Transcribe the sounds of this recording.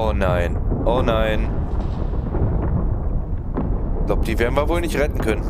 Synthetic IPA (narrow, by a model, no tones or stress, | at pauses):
onaɪnʔoːnaɪn | laʊpəd̥iːveːɐdn̩viɐvoːlnɪçtʁɛtn̩kʰœnən